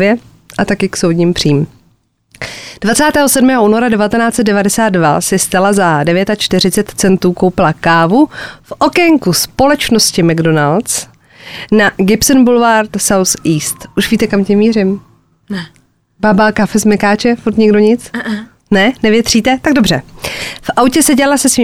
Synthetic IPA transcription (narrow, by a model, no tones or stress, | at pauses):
jɛ | ʔat̪akɪksowdɲiːmpr̝̥iːm | d̥vat͡saːt̪ɛːɦosɛdmɛːɦouːno̞ɾadɛvat̪ɛnaːt͡sɛt̪̚dɛvadɛsaːd̪̚dvasɪst̪alazadɛvjɛt̪at͡ʃt̪ɪɾ̝ɪt͡sɛt̪t͡sɛnt̪uːko̞wpɪlakaːvufʔokɛŋkuspo̞lɛt͡ʃno̞scɪmaɡdo̞nalt̪t͡s | naɡɪpsonbulvaɾt̪sawsiːst̪ʔuʃviːt̪ɛkamcɛmiːrɪm | babaːkafɛzmɛkaːt͡ʃɛfuɾt̪ɲɛɡdo̞ɲɪt͡s | nɛnɛvjɛt̪r̝̥iːt̪ɛt̪aɡ̚do̞br̝ɛfʔawcɛsɛɟɛalasɛsviː